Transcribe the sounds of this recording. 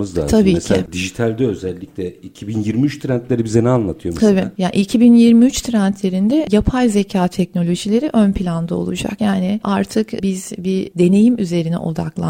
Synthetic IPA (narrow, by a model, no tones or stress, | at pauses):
ɯzlʲa̰ːt̪ʰabiːmːɛscʰiad̪iʒit̪ʰælʲd̪ɛøzælʲːiclʲɛicʰibinjiɾmiyt͡ʃt̪ʰɾænt̪lʲeɾibizenɛanlˠat̪ʰɯjomʰabijaʔicʰibinjiɾmiyt͡ʃt̪ʰɾænt̪ʰlʲe̞ɾind̪ɛjapʰajze̞cʰaːt̪ʰɛcno̞lʲo̞ʒilʲe̞ɾiʔønpʰilʲand̪ao̞̰lˠṵd͡ʒa̰kjaːnɪʔaɾt̪ʰɯkbizbid̪e̞ne̞jimyze̞ɾinɛ̰ʔo̞̰d̪a̰klˠa̰